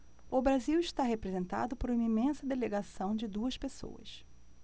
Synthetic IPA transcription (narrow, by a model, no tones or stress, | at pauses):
ʊbɾaziwɪʃt̪aɦepɾezẽnt̪a̰d̪ʊpoɾũmɐimẽsɐd̪eleɡasɐ̃w̃d͡ʒɪd̪uɐspeso̰wɐ̰s